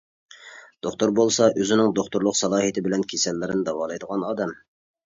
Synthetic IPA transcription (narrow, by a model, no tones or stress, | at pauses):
d̪̥oχt̪ʊɾbolˠsɑʔøzɪnɪŋd̪oχt̪ʊɾlˠʊqsɑlˠɑːɦit̪ʰɪbɪlɛnkʲʰesɛlːɪɾɪnɪd̪ɑwɑːlˠɑjd̪əʁɑnɑːd̪ɛm